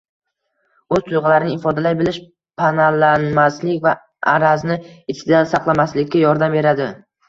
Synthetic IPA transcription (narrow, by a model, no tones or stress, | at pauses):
ɵz̥t̪ʰʊjʁɑlaɾɪnɪɪfɒd̪alajbɪlɪʃ | pʰanalːanmaslɪkʲva | aɾaznɪɪt͡ʃ̪ʰɪd̪asaqlˠamaslɪkʲːajɒɾd̪ambe̞ɾad̪ɪ